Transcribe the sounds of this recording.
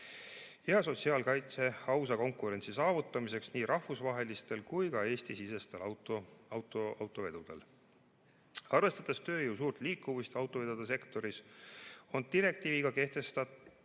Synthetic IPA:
heɑso̞t̪siɑːlkɑjt̪se̞ɑwsɑko̞ŋkuɾe̞nʲt̪sisɑːvut̪ːˑɑmise̞ksniːɾʔɑhvusvɑɦe̞list̪e̞lkujkɑe̞ːst̪isise̞st̪e̞lɑt̪oɑwt̪oɑ̰wt̪ːˑo̞ve̞d̪̥ud̪̥e̞̰l | ɑrve̞st̪ɑt̪ːˑest̪ø̞ːjuws̬uːrt̪ˑliːkːˑuvust̪ɑwt̪ːˑo̞ve̞d̪ud̪̥ɑs̬e̞kt̪o̞ɾis | o̞nt̪iɾe̞k̚t̪iːviɡ̥ɑke̞ht̪e̞st̪ɑt̪

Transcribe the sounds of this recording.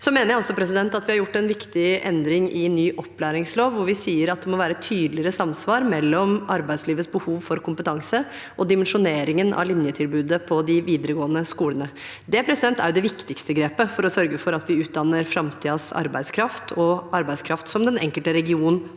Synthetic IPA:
sɔmeːnəɾjæɪɔsɔpʰɾɛsɪd̪ɛnt̪ɑt̪ʋɪhɑɾjʊʈːɛnʋɪkt̪ɪʔɛnd̪ɾɪŋʔɪnːyːʔɔpːlæːɾɪŋsloːʋːʊɾʋɪsiːəɾɑt̪̚d̪ɛmɔʋæːɾət̪ʰyːd̪lɪɾəsɑmsʋɑːɾmɛlːɔmɑɾbæɪd̪sliːʋət̪sbəhuːʋfɔɾkʰʊmpət̪ʰɑŋsə | ʔɔd̪ɪmɛnʂʊneːɾɪŋənʔɑ̰ʋlɪnjət̪ʰɪlbʉːd̪əpʰɔd̪ɪʋiːd̪əɾəɡoːənəskuːlənə | d̪ɛpʰɾɛsɪd̪ɛnt̪æ̰ɾjʊd̪ɛʋɪkt̪ɪkst̪əɡɾeːpəfɔɾɔsœɾɡəfɔɾɑt̪ʋɪʉːt̪̚d̪ɑnːəɾfɾɑmt̪ʰiːɑsɑ̰ɾbæɪd̪skʰɾɑft̪ʰɔɑɾbæɪskʰɾɑft̪sɔmd̪ɛnɛ̰ŋkəlt̪əɾɛɡɪuːnnn̩

